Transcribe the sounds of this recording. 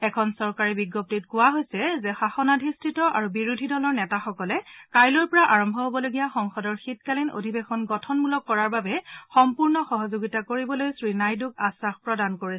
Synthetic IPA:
ɛkʰɔnsɔɹkaɹibiɡːop̚tit̚kʊwaɦojsɛzɛxaxɔnadʱistɹitɔʔa̰ɹubiɹudʱidɔlɔɹnɛtaxɔkɔlɛkajlɔɹpɔɹaʔaɹɔmbʱɔɦobɔloɡijaxɔŋxɔdɔɹxitkalino̰dʱibexɔnɡɔtʰɔnmulɔkːɔɹaɹbabɛxɔmpuɹnɔxɔɦɔzoɡitakoɹibɔlojsɹinajdukasaxpɹɔdankoɹisɛ̥

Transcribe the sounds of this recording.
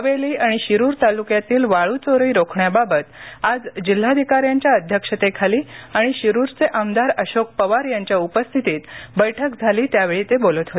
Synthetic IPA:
əʋeliːaɽ̃iɕiɾuːɾt̪alukjat̪iːlʋaɭut͡soɾəiɾokʰɳjababət̪ad͡zd͡ʑil̤ːaəd̪ʱikaɾjaɲt͡ɕjaəd̪ʱjəkʂət̪ekʰaliːaɽ̃iɕiɾuɾt͡seʔamd̪aɾəɕok̚pəʋaɾjaɲt͡ɕjaupəst̪ʰit̪iːt̪bəjʈʰəkd͡zʱaliːt̪jaʋeɭiːt̪ebolət̪ɦot̪

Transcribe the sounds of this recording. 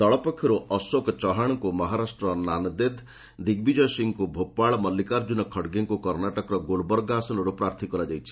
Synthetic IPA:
t̪ɔɭɔpɔkʰjɔɾuʔɔswokɔt͡ʃɔɦaɽ̃ɔŋkumɔɦaɾasʈɾɔnanɔd̪ed̪ | d̪iɡ̚bid͡ʒɔsiŋkubʱopaɭɔmɔlːikaɾd͡ʒunɔkʰɔɽɡeŋkukɔɾnaʈɔkɔɾɔɡolbɔɾɡasɔnɔɾupɾaɾt̪ʰikɔlad͡ʒajt͡ʃʰi̥

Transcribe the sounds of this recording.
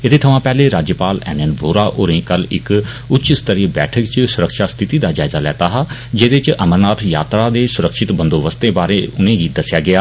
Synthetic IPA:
ɪd̪eːt̪ʰəʋãːpɛːleːɾaːd͡ʒjəpaːlɛ̰ːnɛnboːɾaːʔoːɾẽːkəlɪk | ʊtːt͡ʃʃɪst̪əɾiːbɛːʈʰəkt͡ʃsʊɾəkʃaːst̪ʰɪt̪iːd̪aːd͡ʒaːɪzaːlɛ̰ːt̪aːɦaː | d͡ʒeːd̪ɪt͡ʃəməɾnaːt̪ʰja̰ːt̪ɾaːd̪eːsʊɾəkʃɪt̪bə̃nd̪oːʋəst̪ẽːbaːɾeːʊnẽːɡiːd̪əsɪjaːɡɪaː

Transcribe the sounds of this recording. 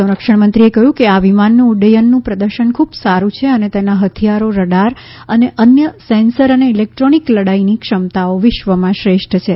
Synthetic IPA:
sə̃w̃ɾəkʂəɳmənt̪ɾiekəɦjũkeaʋimanːũːɖəjənːũpɾəd̪əɾʃəɳkʰubsaɾũt͡ʃʰeənet̪enaɦət̪ʰijaɾoɾəɖaɾ | əneʔənjəsɛnsəɾəneilek̚ʈɾonikləɽainikʂəmt̪aoʋɪʃʋəmãʃɾeʃʈt͡ʃʰe

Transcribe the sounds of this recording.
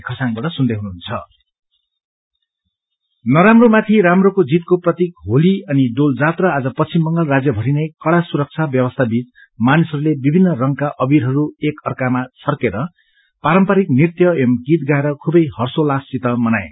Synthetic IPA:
kʰʌsaŋbaʈʌsund̪eɦunuɦunt͡sʰʌ̰ | nʌɾamromat̪ʰiɾamrokod͡zit̪̚koprʌt̪ik̚ɦoliʌnid̪old͡zat̪rʌad͡zʌpʌimbʌŋɡʌlrad͡zjʌbʱʌɾinʌjkʌɽasuɾʌk̚t͡sʰabjʌbʌst̪ʰabit͡s | manisʌɾulebibʱinːʌrʌŋkaʔʌbiɾɦʌɾuekʌrkamat͡sʰʌrkeɾʌ | paɾʌmpaɾiknirt̪jʌemɡit̪̚ɡaeɾʌkʰubʌjhʌrsolasːit̪ʌmʌnaj

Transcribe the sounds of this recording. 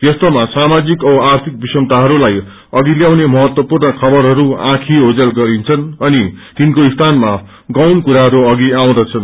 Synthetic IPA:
j̪ʌst̪omasamad͡zikʌbʌart̪ʰik̚bisʌŋt̪aɦʌɾulaj | ʌɡiljawnemʌɦʌt̪wʌpurnʌkʰʌbʌɾɦʌɾuã̰kʰiɦod͡zʌlɡʌɾint͡sʰʌnʌnit̪inkoist̪ʰanma | ɡʌwnkuɾaɦʌɾuʌɡiaw̃d̪ʌt͡sʰʌn

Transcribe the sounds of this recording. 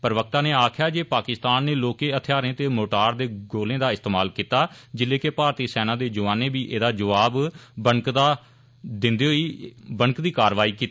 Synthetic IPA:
pəɾʋək̚t̪ãːneːaːkʰjaːd͡ʒeːpaːkɪst̪aːnːeːloːkẽːət̪ʰjaːɾẽːt̪eːmoːʈaːɾd̪eːɡoːlẽːd̪aːɪst̪eːmaːlkiːt̪aːd͡ʒɪleːkepaːɾt̪iːsɛːnãːd̪eːd͡ʒʊʋaːnẽːbiːʔeːd̪aːd͡ʒəʋaːbbəŋkd̪aː | d̪ɪnd̪eːɦoiːbəŋkd̪iːkaːɾʋaːiːkiːt̪ː

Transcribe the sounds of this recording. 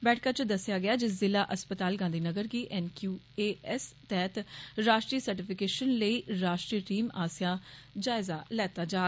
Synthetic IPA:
bɛːʈʰkaːt͡ʃəd̪əsːɪjaːɡɪaːd͡ʒɪzɪlaːʔəspət̪aːlɡãːnd̪iːnəɡəɾɡiːʔɛnkjuː | eːɛst̪ɛːt̪ɾaːʃʈɾiːsəɾʈɪpʰɪkeːʃənləiːɾaːʃʈɾiːʈiːmaːsɪjãːd͡ʒaːɪzaːlɛːt̪aːd͡ʒaː

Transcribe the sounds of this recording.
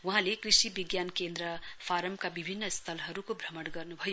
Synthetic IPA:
wuɦãlekrisibiɡjankend̪ɾʌpʰaɾʌmkabibʱinːʌst̪ʰʌlɦʌɾukobʱrʌmʌɽɡʌrnubʱʌjo

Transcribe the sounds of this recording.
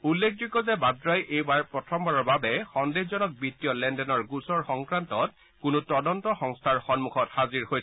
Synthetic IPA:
ulːek̚ʰdukɔzɛbadɹajejbaɹpɹɔtʰɔmbaɹɔɹbabɛxɔndezɔnɔk̚bitːijɔlɛndɛnɔɹɡusɔɹxɔŋkɹantɔt̚ | kʊnʊtɔdɔntɔxɔŋstʰaɹxɔnmuxʰɔthaziɹhoj

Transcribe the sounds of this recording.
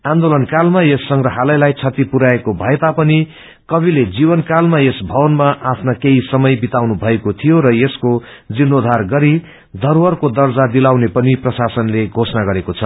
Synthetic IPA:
ãnd̪olʌnkalmajesːʌŋɡrʌɦalʌjlajt͡sʰʌt̪ipuɾaekobʱʌet̪apʌni | kʌbiled͡zibʌnkalmajesbʱʌwʌnmaʔapʰnakeisʌmʌjbit̪awnubʱʌekot̪ʰijoɾʌjesko | d͡zinːod̪ʱarɡʌɾi | d̪ʱʌrwʌrkod̪ʌrd͡zad̪ilawnepʌniprʌsasʌnleɡʱosnaɡʌɾekot͡sʰʌ

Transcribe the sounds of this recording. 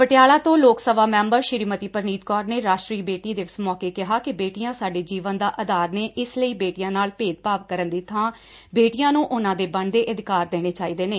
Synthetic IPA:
pəʈɪjaːlãːt̪õːloːksəʋaːmɛ̃ːmbəɾʃɪɾiːmət̪iːpəɾniːt̪kɔːɾneːɾaːʃʈɾiːbeːʈiːd̪eːʋɪsmɔːkeːkɪɦaːkɪbeːʈijãːsaːɖeːd͡ʒiːʋə̃nd̪aːʔəd̪aːɾneːʔɪsləiːbeːʈijãːnaːlpeːt̪̚paːʋkəɾənd̪iːt̪ʰːãː | beːʈijãːnũːʔʊnãːd̪eːbəɳd̪eːʔəd̪ɪkaːɾd̪eːɽ̃eːt͡ʃaːiːd̪eːneː

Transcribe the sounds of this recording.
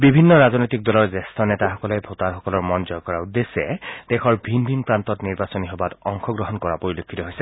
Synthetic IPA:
bibʱinːɔɹaznojtik̚dɔlɔɹzɛstʰɔnɛtaxɔkɔlɛjbʱotaɹxɔkɔlɔɹmɔnzɔjkɔɹaud̪ːesɛ̰d̥ɛxʰɔɹbʱinbʱinpɹantɔtniɹbasɔniɦɔbatɔŋxɔɡɹɔɦɔnkɔɹapoɹilokʰːitɔɦojsɛ

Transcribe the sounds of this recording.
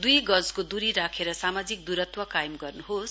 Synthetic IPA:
d̪ujɡʌd͡zkod̪uɾiɾakʰeɾʌsamad͡zik̚d̪uɾʌt̪wʌkajmɡʌrnuɦos

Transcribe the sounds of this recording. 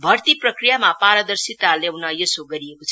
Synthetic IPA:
bʱʌrt̪iprʌkrijamapaɾʌd̪ʌrsit̪alewnʌjesoɡʌɾijekot͡sʰʌ

